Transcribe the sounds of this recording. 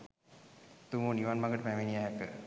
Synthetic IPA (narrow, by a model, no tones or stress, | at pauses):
t̪umoniʋanmaɡəʈəpæʋeniaɦakə̰